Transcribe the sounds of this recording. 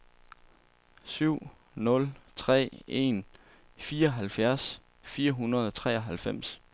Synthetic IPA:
syʊ̰ | nɔ̽lt͡sʰʁɛ̰ːe̝̰n | fiːɐɒɦælfjæɐs | fiːɐɦunɐð̞ˠɒ̽t͡sʰʁɛ̰ːɒɦælfem̰s

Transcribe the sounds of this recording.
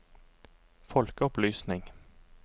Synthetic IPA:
fɔlkəɔplyːsnɪŋ

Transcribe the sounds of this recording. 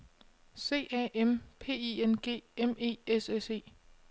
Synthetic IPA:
se̝̰ːæʔempʰe̝̰ːienɡ̥e̝̰ːeme̝̰ːesese̝̰ː

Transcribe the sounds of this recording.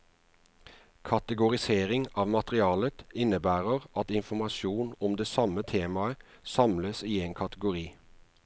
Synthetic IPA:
kʰɑt̪əɡʊʁɪseːʁɪŋɑːʋmɑt̪ʁɪɑːlət̪ɪnəbæːʁəʁɑt̪ɪnfɔmɑʃuːnɔmd̪eːsɑmət̪ʰeːmɑə | sɑmləsiːeːnkʰɑt̪əɡʊʁiː

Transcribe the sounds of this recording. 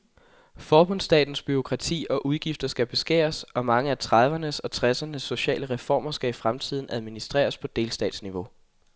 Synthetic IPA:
fɒːb̥ɔ̽n̰sd̥ɛ̰ːd̥n̩sb̥yʁo̝kʰʁɑ̈t͡sʰḭːɒ̽ʔuð̞ˠɡ̥ifd̥ɐsɡ̥æb̥e̝sɡ̥ḛːɐsɒ̽mɑ̈ŋəæt͡sʰʁɑ̈ðˠʋɐnəsɒ̽t͡sʰʁasɐnəsːo̝ɕɛ̰ːləʁɛfɒ̰ːmɐsɡ̥æifʁamt͡sʰið̞̰ˠn̩æð̞ˠminisd̥ʁɛ̰ːɐspʰɒ̽d̥e̝ːlsd̥ɛ̰ːd̥sniʋo̝

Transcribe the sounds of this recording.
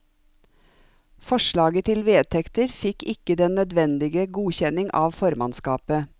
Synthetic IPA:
fɔʃɭɑːɡət̪ʰɪlʋeːt̪ʰɛkt̪əɾfɪkɪkəd̪ɛnœd̪ʋɛnd̪ɪɡəɡuːçɛnɪŋʔɑ̰ːʋfɔɾmɑnskɑːpə

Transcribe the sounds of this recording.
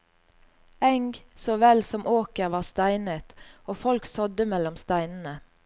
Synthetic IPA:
ɛŋɡsoːʋɛlsɔmʔoːkəʁʋɑːʁst̪æɪnət̪oːfɔlksɔd̪əmɛlɔmst̪æɪnn̩ə

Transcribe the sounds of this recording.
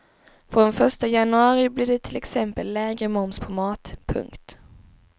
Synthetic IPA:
fɾɔnfœʂʈajanɵɑːɾɪblɪɖɛt̪ʰɪlɛksɛmpəlːɛːɡɾəmɔmspʰɔmɑːt̪pʰɵ̰ŋkt̪

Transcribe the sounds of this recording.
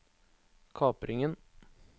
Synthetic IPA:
kʰɑːpɾɪŋən

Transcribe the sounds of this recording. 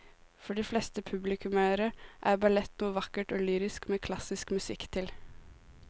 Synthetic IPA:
fɔɖiːflɛst̪əpʰʉblɪkʰʉmæəɾəʔæɾbɑlɛt̪nuːʋɑkːəʈoːlyːɾɪskmeːkʰlɑsɪskmʉsɪkːt̪ʰɪl

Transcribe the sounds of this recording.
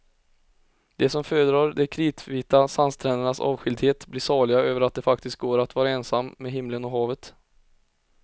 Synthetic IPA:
d̪ɛsɔmføːɾəd̪ɾɑːɾd̪ɛkʰɾiːt̪viːt̪asanst̪ʰɾɛːnəɳasɑ̰ːvɧɪld̪heːt̪blɪːʂɑːɭɪɡaøːvəɾat̪̚d̪ɛfakt̪ɪst̪̚ɡoːɾat̪vɑːɾaɛːnsamːeːɦɪmlənɔɦɑːvət̪

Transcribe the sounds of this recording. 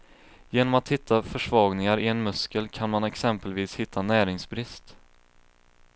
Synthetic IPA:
jeːnɔmat̪hɪt̪ʰːafœʂvɑːɡnɪŋaɾɪɛnmɵskəlkʰanmanɛksɛmpəlviːshɪt̪ʰːanæːɾɪŋsbɾɪst̪

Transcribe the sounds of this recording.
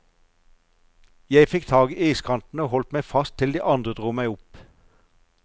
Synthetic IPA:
jæɪfɪkt̪ʰɑːɡiːʔiːskʰɑnt̪n̩oːhɔlt̪mæɪfɑst̪ʰːɪld̪iːʔɑnd̪ʁəd̪ʁuːmæɪʊp

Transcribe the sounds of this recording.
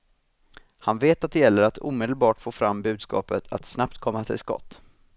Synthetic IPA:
hanveːt̪at̪̚d̪ɛjɛlːəɾat̪ṵːmeːd̪əlbɑːʈfoːfɾamːbʉ̟ːd̪skɑ̰ːpət̪ʰa̰t̪snapt̪kʰɔmːat̪ʰɪ̰lskɔ̰t̪ː

